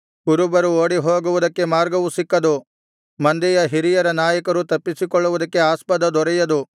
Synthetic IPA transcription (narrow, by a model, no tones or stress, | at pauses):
kuɾubɐɾuoːɽiɦoːɡuʋud̪ɐkːe̞maːɾɡɐʋusikːɐd̪u | mɐnd̪ɛjɐɦiɾijɐɾɐnaːjɐkɐɾut̪ɐpːisikɔɭːuʋud̪ɐkːe̞aːspɐd̪ɐd̪ɔɾɛjɐd̪u